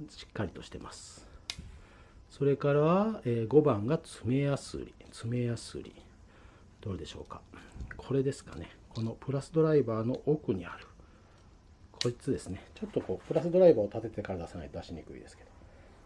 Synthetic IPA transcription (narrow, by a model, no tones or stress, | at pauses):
ɕi̥kːaɾʲit̪o̞ɕi̥t̪e̞̰masɨ̥ | so̞ɾe̞kaɾaβaeːɡo̞bãŋɡat͡sɨme̞jasɨ̰ɾʲit͡sɨme̞jasɨ̰ɾʲḭ | d̪̥o̞ːɾɯd̪e̞ɕo̞̰ːkḁkʰo̞ɾe̞d̪e̞sɨ̥ka̰ne̞kʰo̞no̞pɯ̟ɾasɨd̪o̞ɾaibaːno̞ʔokɯ̟ɲ̟iaɾɯ̟ | kʰo̞d͡ʑit͡sɨd̪e̞sɨnet͡ɕo̞t̪ːo̞ko̞ːpɯɾasɨd̪o̞ɾaibaːot̪at̪e̞t̪e̞kaɾad̪asanaid̪d̪aɕiɲ̟ikɯ̟ḭd̪e̞sɨ̥ke̞d̪̥o̞